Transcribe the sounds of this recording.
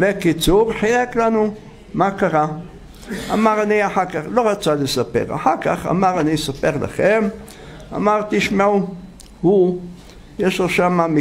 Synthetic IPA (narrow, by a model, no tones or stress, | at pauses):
bekit͡suʁħajeklanu | makaʁa | amaʁaniaħakaχlo̞ʁat͡salesapḛʁa̰ħaʁkaχa̰maʁanisape̞ʁla̰χem | a̰maʁt̪iʃmau | hu | jeʃloʃamami